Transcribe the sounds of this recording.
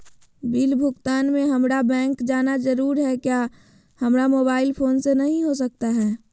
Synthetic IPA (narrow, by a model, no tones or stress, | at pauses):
bɪlbʱʊkt̪aːnmẽɦɐmɾabɛ̃ːŋkd͡ʒaːnad͡ʒəɾuːɾɦɛkjaː | hɐmɾamoːbaːɪlpʰoːnsenɐɦĩɦos̬ɐk̚t̪aɦɛː